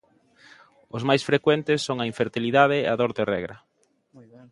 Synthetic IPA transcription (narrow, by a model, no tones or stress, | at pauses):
ʊzmajsfɾekwɛnt̪ɪsːoŋɐiɱfeɾt̪iliðaðɪɐðoɾðerɛ̰ɣɾɐ